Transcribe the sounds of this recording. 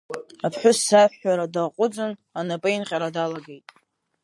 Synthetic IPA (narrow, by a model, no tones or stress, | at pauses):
apʰħʷᶣʊsːaħːaɾadaqʷʼʊd͡zɨnanapʼainqʲʼaɾadalaɡejtʼ